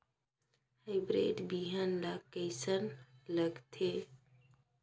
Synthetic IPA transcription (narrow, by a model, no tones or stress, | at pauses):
haɪbɾḛːʈbiɦənlakəjsənləɡt̪ʰe